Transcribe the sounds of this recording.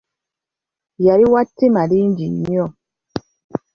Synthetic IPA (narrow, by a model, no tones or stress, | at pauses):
jaɾiwatːemadindiɲiɔ